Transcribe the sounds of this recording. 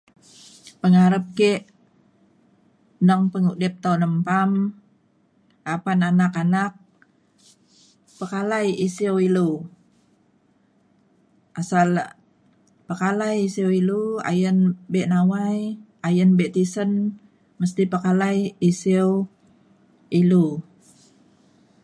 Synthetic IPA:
pəŋaɾəp̚keʔ | nəŋpəŋudɛp̚t̪aunəmpam | apananakanak̚ | pəkalajisewilu | ʔasal | pəkalajisiwilua̰jənbɛʔnawaj | ajənbɛʔt̪isən | məst̪ipəkalajisiw | ilu

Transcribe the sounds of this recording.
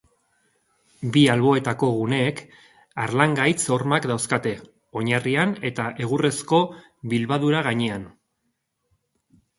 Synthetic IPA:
bialβo̞e̞t̪ako̞ɣ̞une̞ːk | aɾlaŋɡajt͡so̞ɾmakd̪awskat̪e̞ | o̞ɲariane̞t̪aʔe̞ɣ̞ure̞sko̞ | βilβaðuɾaɣaɲean

